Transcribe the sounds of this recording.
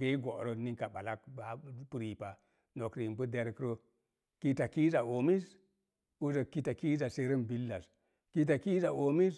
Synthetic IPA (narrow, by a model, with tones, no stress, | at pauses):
e˦i˦ɡo˨ɾo˦ni˦ka˨ɓa˨la˦kba˨pu˦ɾi˨pa˨ | no˨kɾi˨mbə˦de˦ɾkɾo˦ | ki˦ta˨ki˦za˨o˨mi˦s | u˦zo˨ki˦ta˨ki˦za˨se˦ɾə˦mbi˦lːa˨s | ki˦t̬a˨ki˦za˨o˨mi˦s